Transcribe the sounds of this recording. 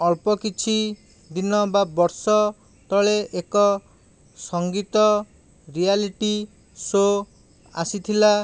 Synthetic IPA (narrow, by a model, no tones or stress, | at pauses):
ɔlpɔkit͡ʃʰi | d̪inɔbabɔɾsɔ | t̪ɔɭeʔekɔ | sɔŋɡit̪ɔ | ɾialiʈi | so | a̰sit̪ʰila